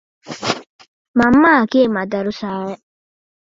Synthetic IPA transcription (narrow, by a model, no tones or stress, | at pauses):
mamːakemɐd̪ɐɾusaːje